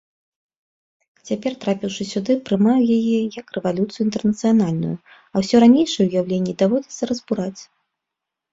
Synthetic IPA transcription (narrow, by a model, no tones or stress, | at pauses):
t͡sʲapʲɛrt̪ɾapʲiwʂɨsʲud̪ɨpɾɨmawjajɛjɐkrɛvalʲut̪sɨjuint̪ɛrnɐt̪sɨjan̪alʲnṵju | ɐwsʲɔɾanʲejʂɨjɛwujawlʲenʲːid̪avɔd͡zʲɛt̪sːɐɾɐzbuɾat͡sʲ